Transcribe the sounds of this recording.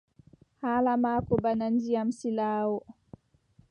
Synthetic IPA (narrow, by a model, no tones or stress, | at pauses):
haːlamaːkɔbanand͡ʒijamsilaːwɔ